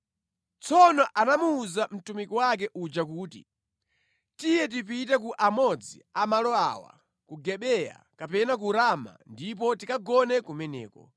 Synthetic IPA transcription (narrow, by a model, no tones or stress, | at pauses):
t͡sɔnɔʔanamuːzam̩tumikɔwak̬ɛʔud͡ʒak̬uːtḭ | tijɛt̬ipitɛk̬uʔamɔd͡ziamalɔa̰wa̰ | kuɡɛɓɛja̰kapɛnak̬uɾama̰ndip̬ɔtikaɡɔnɛkumɛnɛ̰ːkɔ̰